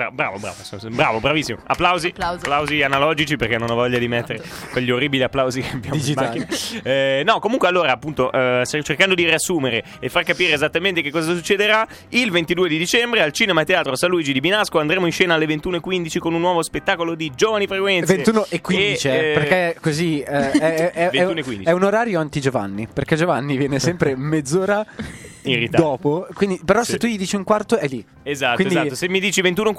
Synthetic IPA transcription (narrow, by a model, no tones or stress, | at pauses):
ɾa̰bɾa̰ːvobɾa̰ːvosobɾa̰ːvobɾavisːimoa̰pːlawzipːlawzianalɔːd͡ʒit͡ʃiperkenːonɔvɔʎːad̪imet̪ːeɾe | kweʎːiorːiːbiliapːlawzikeambjamomaakːinaɛnɔkomuŋkwealːoːɾaːpːunt̪oʔsat͡ʃerkand̪od̪iɾiasːuːmeɾe | efːarkapiːɾeːzat̪ːament̪ekekːɔːzasut͡ʃːed̪eɾa | ilvent̪id̪uːed̪id̪it͡ʃɛmbɾealt͡ʃiːnemat̪eaːt̪ɾosalːuiːd͡ʒid̪ibinaskoand̪ɾemoinʃɛːnaalːevent̪uːnoekːwind̪it͡ʃikonunːwɔːvospet̪ːaːkolod̪id͡ʒovanifɾekwɛnvensunoekːwidit͡ʃipeɾkekoziɛɛɛvenɛunoekwḭnd̪iɛunoɾaːɾjoant̪id͡ʒova̰nːiperked͡ʒovanːivjɛːnesɛmpɾemed̪zːoːɾairit̪d̪ad̪ɔːpokwind̪ipeɾɔset̪ːuʎid̪iːt͡ʃiuŋkwart̪oɛjli | ezat̪winod̪zat̪ːosemːid̪iːt͡ʃivent̪uno